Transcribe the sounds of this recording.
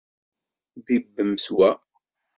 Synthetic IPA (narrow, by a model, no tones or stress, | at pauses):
ðibːəmswæ